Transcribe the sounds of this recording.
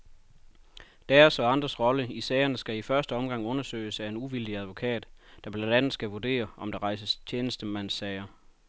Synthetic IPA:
d̥æɐsɒ̽ɑ̈nd̥ʁɐsʁɒ̽ləisɛɪɐnəsɡ̥æifɶɐsd̥əɒ̽mɡ̥ɑ̈ŋ̰ɔ̽nɐsø̰ɪ̰sæe̝nuʋil̰d̥iæð̞ˠʋo̝kʰɛ̰ːd̥d̥ɑ̈b̥lænd̥ænð̩ˠsɡ̥æʋud̥e̝̰ːɐʔɒ̽md̥ɑ̈ʁɑ̈ɪsəst͡ɕʰeːnəsd̥əmæn̰sːɛɪɐ

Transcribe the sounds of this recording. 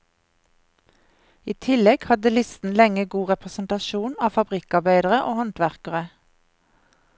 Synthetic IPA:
iːt̪ʰɪlɛɡ̥hɑd̪əlɪst̪n̩lɛŋəɡuːʁɛpʁɛsn̩t̪ɑʃuːnɑːfɑbʁɪkɑʁbæɪd̪əʁəʔoːhɔnt̪ʋæʁkəʁə

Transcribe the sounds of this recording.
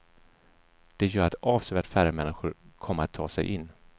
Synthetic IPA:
d̪̥ɛjœːɾat̪ɑːvsœjat̪fæɾəmɛnːɪɧʊɾkʰɔmːəɾat̪ʰːɑːsɛ̰jʔɪnː

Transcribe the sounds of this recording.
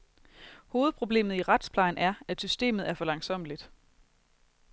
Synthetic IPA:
ho̝ːð̩ˠpʰʁo̝b̥le̝̰ːmð̩ˠiʁad̥spʰlɑ̈ɪnæɐæ̥sysd̥e̝̰ːmð̞̩ˠæɐfɒ̽lɑ̈ŋsɒ̽m̰əlid̥

